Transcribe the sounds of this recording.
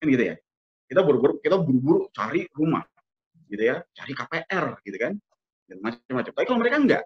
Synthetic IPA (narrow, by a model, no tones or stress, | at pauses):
kanɡit̪uja̰ | kit̪abʊɾubʊɾkit̪abuɾubuɾut͡ʃaɾiruma̰ | ɡit̪ujat͡ʃa̰ɾikapeʔɛrɡit̪ukan | ɡit̪mat͡ʃəmːat͡ʃamt̪apikaloməɾekaŋɡa̰ʔ